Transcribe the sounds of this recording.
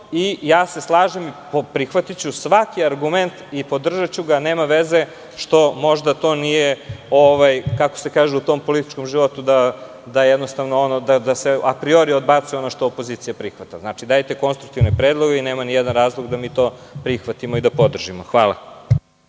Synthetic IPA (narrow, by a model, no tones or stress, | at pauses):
ijaːse̞slˠaːʒemipopɾixʋat̪it͡ɕusʋakiaɾɡument̪ipo̞d̪r̩ʒat͡ɕuɡaneːmaʋeze̞ | ʃt̪o̞mo̞ʒd̪at̪o̞ːnije̞oʋajkakosekaːʒeut̪o̞ːmpolit̪i̥t͡ʃko̞mʒiʋo̞t̪ud̪a | d̪ajjed̪nost̪aʋnoonod̪ad̪aseapɾioɾiod̪bat̪sɛo̞noʃt̪oopo̞ziːt̪sijapɾixʋat̪aznaːt͡ʃid̪ajt̪e̞ko̞nst̪ɾuk̚t̪iʋnepɾeːd̪lˠo̞ɡeineːmanijɛd̪anɾaːzlˠoɡd̪amiːt̪o̞ːpɾixʋat̪imo̞id̪apo̞d̪r̩ʒimoxʋaːlˠa̰